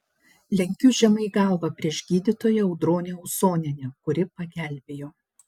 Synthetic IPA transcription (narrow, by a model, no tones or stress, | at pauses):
lʲɛŋʲkʲʊʒʲɛmɐɪɡɐˑlˠʋɐpʲɾʲiɛʃɡʲiːd̪ʲɪt̪oːjɛɐʊd̪ɾoːnʲeʊsoːnʲɛnʲɛkʊɾʲɪpɐɡʲæːˑlʲbʲeːjoː